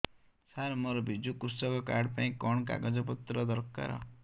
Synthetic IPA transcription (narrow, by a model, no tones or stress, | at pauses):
saɾmɔɾɔbʱid͡ʒukusɔkɔkaɾɽpaĩkɔɳ̃ka̰ɡɔd͡ʒɔp̬ɔt̪ɾɔd̪ɔɾka̰ɾɔ̰